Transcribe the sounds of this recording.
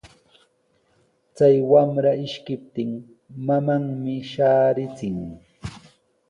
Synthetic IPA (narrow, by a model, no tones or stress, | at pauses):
t͡sajwamɾaɪʃkɪp̚t̪ɪŋ | mamaŋmɪʃaːɾɪt͡sɪŋ